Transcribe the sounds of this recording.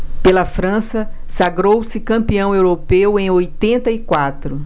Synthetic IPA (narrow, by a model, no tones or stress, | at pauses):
pelɐfɾɐ̃sɐsaɡɾowsɪkɐ̃piɐ̃w̃ewɾopewẽj̃ojt̪ẽnt̪ɐikwat̪ɾʊ